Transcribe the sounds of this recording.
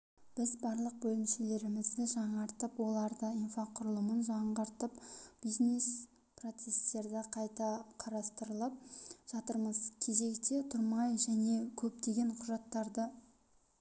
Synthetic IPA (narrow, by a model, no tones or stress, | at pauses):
b̥ɪzbɑɾlˠəq̚bɵlɪmʃele̞ɾɪmɪzd̪ɪʒɑɴɑɾt̪əpwo̞lˠɑɾd̪əijnfaqʰʊɾəlˠəmənʒɑɴʁəɾt̪əpb̥iznes | pro̞t̪se̞se̞ɾd̪ɪqʰɑjt̪ɑqʰɑɾɑst̪əɾəlˠəp̚ʒ̥ɑt̪əɾməzkʲʰe̞ze̞kt̪e̞t̪ʰʊɾmɑjʒæne̞kʲʰɵp̚t̪e̞ɡʲe̞ɴqʰʊʒɑt̪ːɑɾd̪ə